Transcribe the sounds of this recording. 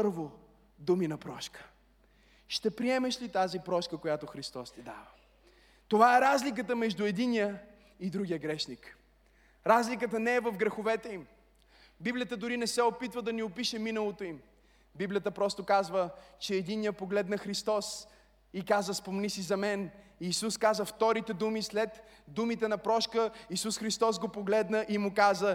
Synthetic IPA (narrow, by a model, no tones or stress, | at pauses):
pɤɾvo | d̪uminɐpɾɔʃkə̥ | ʃt̪ɛpɾiɛmɛʃlit̪azipɾɔʃkəkojat̪oxɾist̪ɔst̪id̪a̰və | t̪ovaɛɾazlik̬ət̪əmɛʒd̪uɛd̪inijə | id̪ɾuɡʲijəɡɾɛʃnik | ɾazlikət̪ənɛːvɐfɡɾɛxovɛt̪ɛim | biblʲijət̪əd̪ʊɾinɛsɛopit̪vəd̪ɐniopiʃɛminəlˠot̪oim | biblʲijət̪əpɾɔst̪okazvət͡ʃɛːd̪inijəpoɡlɛt̪nɐxɾist̪ɔs | ikazəspomnisizɐmɛniːsuskazəft̪ɔɾit̪ɛd̪umislɛt̪ | d̪umit̪ɛnɐpɾɔʃkəisusxɾist̪ɔz̬ɡopoɡlɛd̪nəʔimʊkazə